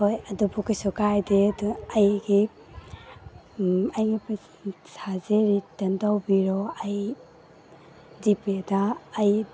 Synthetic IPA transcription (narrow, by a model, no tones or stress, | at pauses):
hojɐdubukisɔkajdedɐjɡi | ajɡip | sazeɾitɐndawbiɾɔaj | dipedaːj